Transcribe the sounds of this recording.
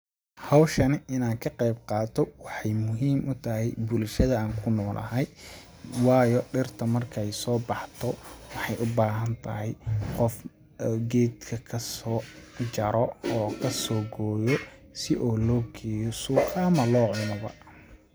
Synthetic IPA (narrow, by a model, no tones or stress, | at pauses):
hɐwʃɐnɪnaːnkʰɐqɑjbqɑːt̪ʰɔwɑħɑjmʊɦiːmʔʊt̪ʰɐɦɛjbʊlʃɐðɐaːŋkʰʊnɔːlʔɐ̰ɦɐj | wɑːjɔɖɪrt̪ʰɐmɐrkʰɛjsɔːbɑħt̪ʰɔwɑħɑjʔʊbaːɦɐnt̪ʰɐɦɛjqɔf | ɡɛːd̪kʰɐkʰɐsɔːt͡ʃɐɾɔɔːkʰɐsɔːɡɔːjɔ | sɪʔɔːlɔːɡɛːjɔsʊːkʰaːmɐlɔːʕʊnɔβɐ̰